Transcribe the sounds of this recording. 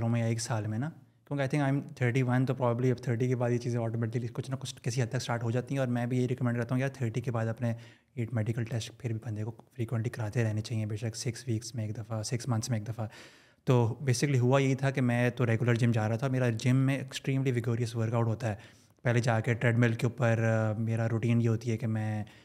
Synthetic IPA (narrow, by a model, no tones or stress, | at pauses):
lõmẽaeːksaːlmẽna | kjõːkiaːɪɪ̃ŋkaːɪmt̪ʰəːɾʈiʋɐnt̪opɾɔːbəbliɐbt̪ʰəːɾʈ̬ikebaːd̪jet͡ʃiːzẽɔːʈomɛʈɪiikʊt͡ʃʰnɐkʊt͡ʃkɪsiɦɐd̪̚t̪ɐksʈaːɾʈɦod͡ʒaːt̪iɦɛ̃ɔːɾmɛ̃bʱijɐɦiɾɛkəmɛ̃ɳɖkɐɾt̪aɦũkjaːt̪ʰəːɾʈikebaːd̪ɐpne | eːʈmɛːɖɪkəlʈɛsʈpʰɪɾbʱibɐ̃nd̪ekofɾiːkwə̃ɳʈlikɐɾaːt̪eɾɛɦnet͡ʃaːɦiẽbeːsɐksɪksʋiːksmẽeːk̚d̪ɐfasɪksmɐ̃nt̪smẽeːk̚d̪ɐfa | t̪oːbeːsɪkəliɦʊajɐɦit̪ʰakemɛ̃t̪oɾeːɡjʊləɾd͡ʒɪ̃md͡ʒaːɾaɦat̪ʰameːɾad͡ʒɪmːẽeksʈɾiːmliʋɪɡoːɾijəsʋəɾkaʊʈɦoːt̪aɦɛː | pɛɦled͡ʒaːkeʈɾɛːɖmɪlkeuːpəɾmeːɾaɾuʈiːnjeɦoːt̪iɦɛkemɛ̃ː